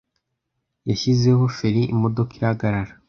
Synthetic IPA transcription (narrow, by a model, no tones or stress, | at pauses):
jaçize̞ɦo̞feɾiimo̞do̞kiɾahaɡaɾaɾa